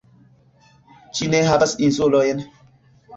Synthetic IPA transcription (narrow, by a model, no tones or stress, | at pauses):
t͡ʃineɦabasinsolɔjen